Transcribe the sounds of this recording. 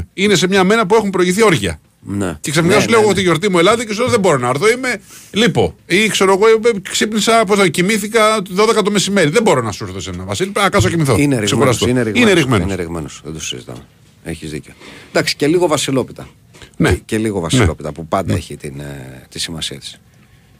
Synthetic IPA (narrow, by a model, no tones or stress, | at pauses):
ine̞se̞mɲɐme̞nɐpue̞xumpɾo̞iʝiθio̞ɾʝɐ̰ | nḛceksefnikɐsuuleoot̪̬iʝo̞ɾt̪̬imue̞lɐðicesuoðebo̞ɾo̞nɐːɾθo̞ime̞lipo̞ikse̞ɾoɐɣoksipnisɐposicimiθikɐt̪ðo̞ðekɐt̪o̞me̞sime̞ɾiðebo̞ɾo̞nɐsuɾθosenɐvɐsilpkɐs̬ocimiθo̞ineɾisexuɾɐs̬t̪oineɾiɣineɾiɣmenonɾiɣmenosðed̪u̥sizit̪ɐ̰me | eçizðḭceod̪ɐksi̥celiɣo̞vɐsilo̞pit̪ɐ | neceliɣovɐsnieo̞pit̪ɐpupɐnd̪ɐ̰eçit̪int̪isimɐ̰siɐ̰t̪i̥s